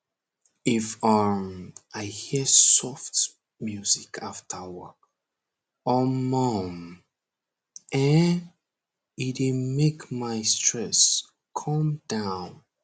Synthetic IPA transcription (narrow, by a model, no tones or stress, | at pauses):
ifə | ʔaɪhisɔft | mjuzikʰaftʰəwə˞k̚ | ɔmɔm | ɛ̃n | itimekmaɪstʰɹɛs | kʰʌ̃md̥ãʊ̃n